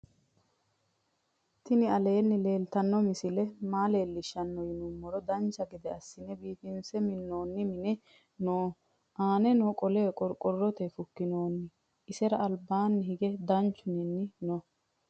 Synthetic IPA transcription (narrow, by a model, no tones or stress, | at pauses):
t̪ɪnɪɐleːnːɪle̞ːlt̪ɐnːɔmɪsɪlɛmaːleːlːɪʃːɐnːɔjɪnʊmːɔɾɔd̪ɐnt͡ʃːɐɡɪd̪ɛɐsːɪnɛbiːfɪnsɛmɪnːo̞ːnːɪmɪnɛ | noː | ʔaːnɛnɔkʼɔleːkʼɔɾkʼɔrːɔt̪ɛfʊkːɪnoːnːɪ | ʔɪsɛɾɐːlbaːnːɪhɪɡɛd̪ɐnt͡ʃːʊnɪnːɪnɔ